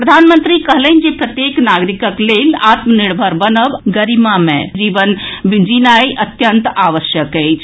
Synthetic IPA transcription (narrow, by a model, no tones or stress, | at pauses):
pɾəd̪ʱanmənt̪ɾikəɦlənd͡ʒepɾət̪jeknaɡɾikəklelat̪məniɽbʱəɾbənəbɡəɾimamḛ̃d͡ʒiʋənbd͡ʒinajʔət̪jənt̪aʋəsjəkəjt͡ʃʰ